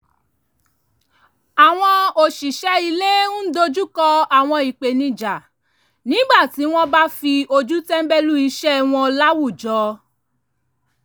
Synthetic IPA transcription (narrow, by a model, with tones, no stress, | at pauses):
a˨w̃ɔ̃˧o˨ʃi˨ʃɛ˦i˧le˦ũ˦do˧d͡ʒu˦kɔ˧a˨w̃ɔ̃˧i˨k͡pe˨nĩ˧d͡ʒa˨ | nĩ˨˦ɡ͡ba˦˨ti˨˦w̃ɔ̃˦ba˦fi˧o˧d͡ʒu˦tɛ˦m̩˦bɛ˦lu˦i˧ʃɛ˦w̃ɔ̃˧la˦wu˦˨d͡ʒɔ˨˧˦